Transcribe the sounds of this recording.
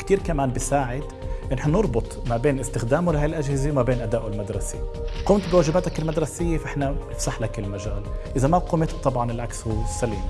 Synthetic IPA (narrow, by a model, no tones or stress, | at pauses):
kt̪iːɾkamaːnbɪsaːʕɪd̪ʔɪnːħnanɨɾˤbʊt̪ˤmabeːnʔɪst̪ɪxd̪aːmulɪhaːjɪlʔaʒhɪzewmabeːnʔad̪aːʔlmad̪ɾˤɑseqʊmt̪bɪwaːʒɪbaːt̪akɪlmad̪ɾˤɑsɪjːefaʔɪħnanɪfsaħlakɪlmaʒa̰ːlʔɪzamaquːmet̪̚t̪ˤɑbʕɑnɪlʕakshuːsːaliːm